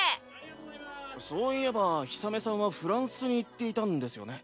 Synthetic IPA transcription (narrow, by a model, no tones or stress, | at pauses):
so̞ːie̞baçi̥same̞sãɰ̃βaɸɯ̟ɾãɰ̃sɨɲ̟iːt̪ːe̞it̪ãnd̪e̞sɨjo̞̰ne̞